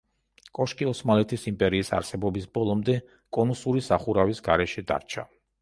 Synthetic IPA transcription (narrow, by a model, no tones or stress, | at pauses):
kʼɔʃkʼiɔsmalɛt̪ʰisimpʼɛɾiːsa̰ɾsɛbɔbisbɔlˠɔmd̪ɛ | kʼɔnusuɾisaχuɾavisɡaɾɛʃɛd̪a̰ɾt͡ʃʰa